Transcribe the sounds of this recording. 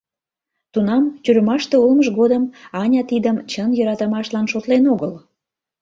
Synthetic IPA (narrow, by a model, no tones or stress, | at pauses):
t̪unɑmt̪ʲyɾəmɑʃt̪eulməʒɣod̪əmɑnʲɑt̪id̪əmt͡ɕənjɤ̆ɾɑt̪əmɑʃlɑnʃot̪lenoɣəl